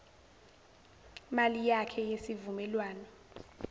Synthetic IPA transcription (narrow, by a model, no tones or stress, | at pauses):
malijakʰɛjesivumɛlwaːnɔ